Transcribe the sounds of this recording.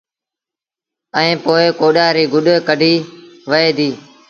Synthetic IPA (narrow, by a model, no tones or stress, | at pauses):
əĩːpoːekoːɗaːɾiːɡʊɗkəɖʱiːʋəeːd̪iː